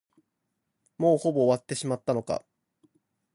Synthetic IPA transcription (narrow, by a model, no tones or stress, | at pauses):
mo̞ːho̞bo̞ːβat̪ːe̞ɕimat̪ːano̞ka̰